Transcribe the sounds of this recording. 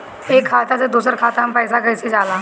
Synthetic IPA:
eːkʰːaːt̪at͡sed̪uːsəɾkʰaːt̪aəmpəjsakəjsed͡ʒaːlaː

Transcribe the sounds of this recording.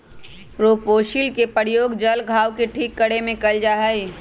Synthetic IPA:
ɾoːpoːʃilkepəɾɪjoːɡd͡ʒəlɡʱaːwkeʈʰiːkːəɽemẽkɐld͡ʒaːɦəi

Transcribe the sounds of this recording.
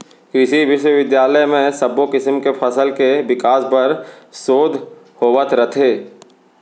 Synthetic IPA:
ɪsiʋɪʃwəʋɪd̪jaːləjmẽsəbokɪsəmkepʰɐsəlkeʋɪkaːspəɾsoːd̪ʱ | hoːʋət̪ʰɾət̪ʰeː

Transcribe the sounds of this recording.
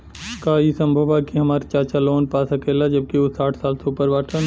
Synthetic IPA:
kaisɐ̃mbʱəʋakiɦɐmaːɾit͡ʃaːt͡ʃaloːnpaːsɐkʰeːlad͡ʒɐb̚kiosaːʈʰsaːlseupəɾʋaːʈʰən

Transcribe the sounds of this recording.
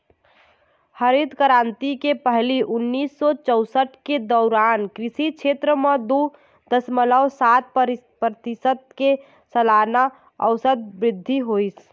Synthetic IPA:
həɾid̪kəɾant̪ikepəɦliʔunːisːɔt͡ʃəʊsəʈked̪ɔːɾankɾisit͡ʃʰet̪ɾəmed̪u | d̪əsmələwsat̪̚ | pɾət̪isət̪̚ke | səlana | ə̰ʋsəd̪̚bɾɪd̪ʱːiɦojs

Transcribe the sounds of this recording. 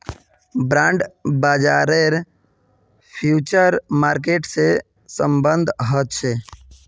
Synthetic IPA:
bɾãːɳɖbaːd͡ʒaːɾeɾ | pʰjuːt͡ʃəɾmaːɾk̬eʈse | səmbənd̪ʱɦɔt̪t͡ʃʰe

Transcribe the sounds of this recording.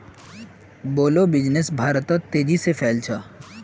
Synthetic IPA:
boːlobɪd͡ʒnesbʱaːɾt̪ɔt̪ːed͡ʒisefɛlt͡ʃʰa

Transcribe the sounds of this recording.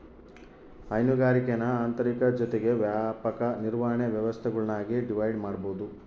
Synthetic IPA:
ɐjnuɡaːɾikenɐaːnt̪ɐɾikɐd͡ʒɔt̪eɡe̞ʋjaːpɐkɐniɾʋaːɦɐɳeʋjɐʋɐst̪ʰɛɡɐɭnaːɡiɖiʋɐjɖmaːɽboːd̪u

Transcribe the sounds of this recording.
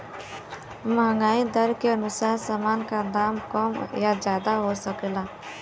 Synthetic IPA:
məɦŋɡaːid̪əɾkeənʊsaːɾsaːmaːnkad̪aːmkɔmjad͡ʒjaːd̪aɦosəklaː

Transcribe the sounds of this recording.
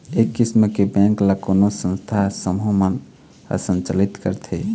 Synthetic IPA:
ekːisməkebɛ̃ŋklakonosə̃nst̪ʰasəmɦomən | ə̰sə̃nt͡ʃəlit̪kə̰ɾt̪ʰe

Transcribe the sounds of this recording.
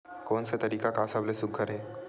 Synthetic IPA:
konset̪əɾiːkakasablesukʰːəɾe

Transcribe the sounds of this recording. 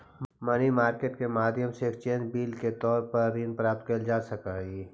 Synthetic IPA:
mɐnimaːɾkeːʈkemaːd̪ʱjəmseːk̚t͡ʃẽːd͡ʒbiːlket̪ɔːɾpɐɾːiːnpɾaːp̚t̪kəld͡ʒaːsəkaːiː

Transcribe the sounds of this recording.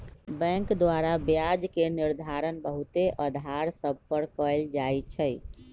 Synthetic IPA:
bɛ̃ŋkd̪waɾabjad͡ʒkeniɾd̪ʱaɾənbəɦut̪eʔəd̪ʱaɾsəb̚ʱpəɾkəld͡ʒajt͡ʃʰəj

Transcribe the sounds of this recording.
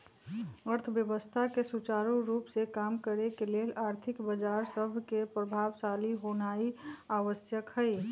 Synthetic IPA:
əɾt̪ʰəʋjəʋəst̪ʰakesut͡ʃaːɾuɾuːpsekaːmkəɾekeleːlaːɾt̪ʰɪkbəd͡ʒaːɾsəbʱkepɾəbʱaːʋsaːliɦonaːiaːʋəsjəkhɛi

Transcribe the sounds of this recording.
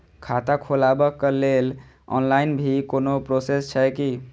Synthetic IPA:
kʰat̪akʰolabəkːəlel | ɔ̰nlainbʱikonopɾosest͡ʃʰəki

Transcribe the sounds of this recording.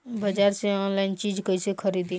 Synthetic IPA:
bəd͡ʒaɾsẽɔnlaint͡ʃid͡ʒkəɦsẽkʰəɾid̪i

